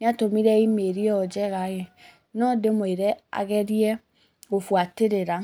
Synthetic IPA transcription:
neatomiɾɛimeɾiɔd͡ʒɛɣaɣɛ | nɔdemoeɾɛa̰ɣɛɾiɛ | ɣofwateɾeɾa

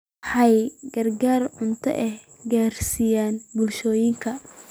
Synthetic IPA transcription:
ħɑjɡɐrɡaːrʕʊnt̪ʰɔ̰ʔɛh | ɡaːrsijaːnbʊlʃɔːjɪŋkʰɐ

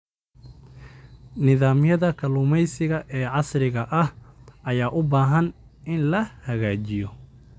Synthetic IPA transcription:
nɪðaːmjɐðɐkʰɐluːmɛjsɪɣɐʔɛːʕɑsrɪɣɐʔɐhʔɐjaːʔʊbaːɦɐn | ɪnlɐhɐɣaːt͡ʃɪjɔ

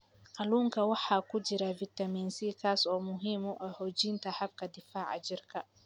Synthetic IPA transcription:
qɑluːŋkʰɐwɑħɑːkʰʊd͡ʒɪɾavɪt̪ɐmiːnsiːkʰaːsɔːmʊɦiːmɔʔɛhɔːt͡ʃiːnt̪ʰɐhɐb̚kʰɐd̪ɪfaːʕ̰t͡ʃɪrkʰɐ

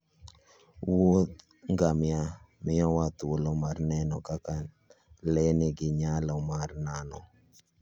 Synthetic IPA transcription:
wot̪ | ŋɡamɪjamɪɔwat̪wolɔmarnɛnɔkaka | lɛnɪɡɪɲalɔmarnanɔ

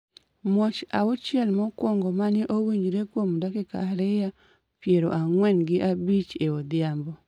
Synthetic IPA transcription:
mot͡ʃaʊt͡ʃjɛlmɔkwɔŋɡɔmanɪʔowiɲd͡ʒɾekwomdakɛka̰ɾɪja | pjeɾoʔaŋwɛnɡɪʔabit͡ʃeod̪ɪambɔ

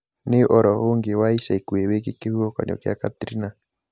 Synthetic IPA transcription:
neʔɔɾɔɦoŋɡewaiʃaikuewek̬ekehuɔka̰ɲɔ̰kea̰kat̪ɾina

